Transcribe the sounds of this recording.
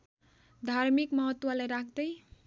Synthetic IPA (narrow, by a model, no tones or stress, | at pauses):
d̪ʱaɾmikmʌɦʌt̪ːwalajɾakʰd̪ʌj